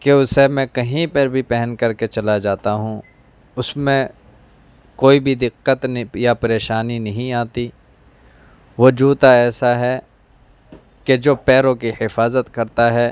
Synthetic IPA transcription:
keʊsemɛ̃kɐɦĩpɐɾbʱipɛɦənkɐɾket͡ʃɐlad͡ʒaːt̪aɦũː | ʊsmẽ | koːibʱid̪ɪqːət̪japɐɾeːʃaːninɐɦĩaːt̪i | ʋoːd͡ʒuːt̪aɛːsaɦɛ | ked͡ʒoːpɛːɾõkihɪfaːzət̪kɐɾt̪aɦɛː

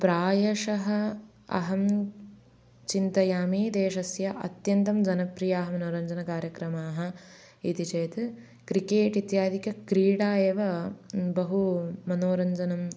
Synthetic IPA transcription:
pɾaːjɐʂɐɦɐ | ɐ̰ɦɐm | t͡ʃint̪ɐjaːmiːd̪eːʃɐsjɐʔɐ̰t̪jɐnt̪ɐmd͡ʒɐnɐpɾijaːɦɐmɐnoːɾɐɲd͡ʒɐnɐkaːɾjɐkɾɐmaːɦɐ | it̪it͡ʃeːt̪ | kɾikeːʈit̪jaːd̪ikɐkɾiːɽaːjeːʋɐbɐɦumɐnoːɾɐɲd͡ʒɐnɐm

